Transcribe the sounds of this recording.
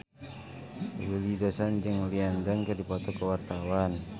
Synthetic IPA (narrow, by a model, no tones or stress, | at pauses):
wilidɔsand͡ʒəŋliandaŋkədipɔt̪ɔkəwart̪awan